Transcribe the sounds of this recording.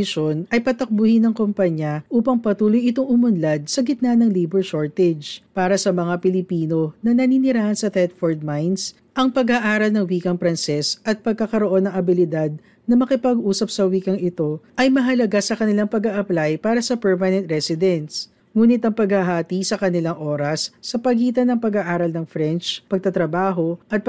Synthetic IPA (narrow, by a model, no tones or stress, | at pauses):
ɪʃonɐjpɐt̪ɐk̚bʊhɪnɐŋkompɐɲɐʔuːpɐŋpɐt̪uːlojɪt̪oŋʔʊmʊnlad̪̚sɐɡɪt̪̚nanɐŋlijbɛɹʃoɹt̪ɛd͡ʒpaːɾɐsɐmɐŋapɪlɪpiːno̞nɐnɐninɪɾaːhɐnsɐt̪ɛt̪̚foɹd̪̚majns | ʔɐŋpɐɡɐʔaːɾɐlnɐŋwiːkɐŋpɾɐnsɛsʔɐt̪̚pɐɡ̚kːakɐɾoʔo̞nːɐŋʔɐbɪlɪd̪ad̪̚ | nɐmɐkɪpɐɡʔuːsɐp̚sɐwiːkɐŋɪt̪o̞ʔɐjmɐɦɐlɐɡasɐkɐnɪlaŋpɐɡaʔɐplajpaːɾɐsɐpɛɹmɐnɛnt̪̚ɾɛsɪd̪ɛns | ŋuːnɪt̪ɐŋpɐɡhɐɦaːt̪isɐkɐnɪlaŋʔo̞ːɾɐsːɐpɐɡiːt̪ɐnɐŋpɐɡaʔaːɾɐlnɐŋfɾɛnt͡ʃpɐɡ̚t̪ɐt̪ɾɐbaːɦo̞ʔɐt̪̚p